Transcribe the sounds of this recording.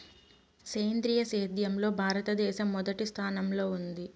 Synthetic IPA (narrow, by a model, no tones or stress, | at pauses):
seːjnd̪ɾiːjɐseːd̪jɐmlo̞ːbʱaːɾɐt̪ɐd̪ɛːʃɐmːɔd̪ɐʈist̪ʰaːnɐmlo̞ːund̪i